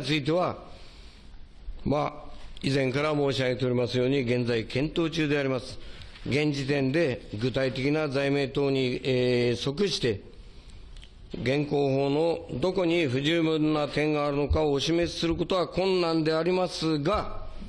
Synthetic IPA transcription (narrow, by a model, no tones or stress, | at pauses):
t͡sɨit̪̬e̞βa | maizẽ̞ŋkaɾamo̞ːɕiaɡe̞t̪e̞o̞ɾʲimasɨjo̞ːɲ̟iɡẽ̞nd͡zaikʰẽ̞nt̪o̞ːt͡ɕɨːd̪e̞aɾʲimasɨ̥ɡẽ̞ɲ̟d͡ʑit̪ẽ̞nd̪e̞ɡɯ̟t̪ait̪e̞kʲinazaime̞ːt̪o̞ːɲ̟i | so̞kɯ̟ɕi̥t̪e̞ | ɡẽ̞ŋko̞ːho̞ːno̞d̪o̞ko̞ɲ̟iɸɯ̟ʑɨːmɯ̟nːat̪ẽ̞ŋɡaːɾɯ̟no̞kaoːɕime̞t͡sɨ̥sɨɾɯ̟ko̞t̪o̞akõ̞nːãnd̪e̞aɾʲimasɨɡa